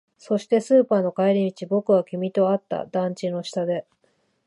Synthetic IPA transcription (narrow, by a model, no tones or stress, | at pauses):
so̞ɕi̥t̪e̞sɨːpaːno̞kaeɾʲimʲit͡ɕibo̞kɯ̟βakʲimʲit̪o̞at̪ːa̰d̪ãɲ̟t͡ɕino̞ɕi̥t̪ad̪e̞